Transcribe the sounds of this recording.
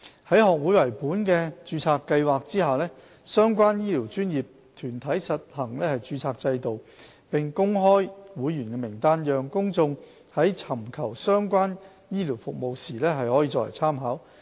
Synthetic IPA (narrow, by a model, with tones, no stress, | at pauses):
hɐ˨˥jhɔː˨k̚wuː˨˥jwɐ˨˩jpuː˨˥nkɛː˧t͡ʃyː˧t͡sʰaː˧kːɐ˧jwaː˨k̚t͡siː˥haː˨˩lɛː˥ | sœː˥ŋkʷaː˥njiː˥liː˨˩wt͡ʃyː˥njiː˨p̚ | t̪ʰyː˨˩nt̪ʰɐ˨˥jsɐ˨t̚hɐ˨˩ŋlɛː˥hɐ˨jt͡ʃyː˧t͡sʰaː˧k̚t͡sɐ˧jt̪o˨w | pɪ˨ŋkʊ˥ŋɦɔː˥jwuː˨˥jjyː˨˩nkɛ˧mɪ˨˩ŋt̪aː˥njœː˨˧ŋkʊ˥ŋt͡sʊ˧ŋ | hɐ˨˥jt͡sʰɐ˨˩mkʰɐ˨˩wsœː˥ŋkʷaː˥n | jiː˥liː˨˩wfʊ˨k̚mo˨wsiː˨˩lɛː˥ɦɐ˨jhɔː˨˥jiː˧˥ɔː˧˥lɐ̰˨˩jt͡sʰaː˥mɦaː˨˥w